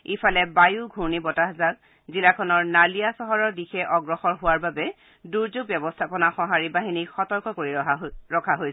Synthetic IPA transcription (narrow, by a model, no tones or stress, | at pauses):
ipalɛbajuɡʱuɹnibɔtaɦazak | zilakʰɔnɔɹnalijasɔɦɔɹɔɹdixɛʔɔɡɹɔxɔɹɦʊwaɹbabɛ | duɹzoɡ̚bjɔbɔstʰapɔnaxɔɦaɹibaɦinixɔtɔɹkɔkoɹiɹɔkʰaɦojs